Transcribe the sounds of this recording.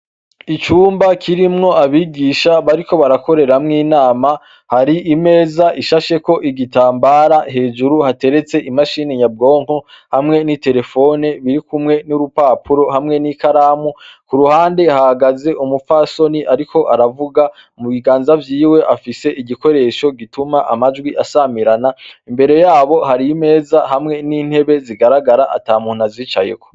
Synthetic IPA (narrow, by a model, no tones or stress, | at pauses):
it͡ʃuːmbakʰiɾimŋo̞ʔaβiːɡiʃaβaɾiko̞βaɾako̞ɾe̞ɾamŋiːnaːma | haɾiʔime̞ːzaʔiʃaʃe̞ko̞ʔiɡitaːmbaːɾaɦe̞ːd͡ʒuɾuhate̞ɾe̞t͡se̞ʔimaʃineɲab̚ɡo̞ːŋ̥o | hamŋe̞nite̞ɾe̞fo̞ne̞βiɾikumŋe̞nuɾupapuɾo̞ɦamŋe̞nikaɾaːmukuɾuhaːnde̞hahaɡaze̞ʔumufaso̞niʔaɾiko̞ʔaɾavuɡa | muβiɡaːnzavjiːwe̞ʔafise̞ʔiɟiko̞ɾe̞ʃo̞ɡitumaʔamad͡ʒɡwiʔasamiɾanaimbe̞ɾe̞jaːβo̞ɦaɾime̞ːzahamŋe̞niːn̥he̞βe̞ziɡaɾaɡaɾaʔa̰taːmuːn̥aziːt͡ʃa̰je̞̰kʰo̞̥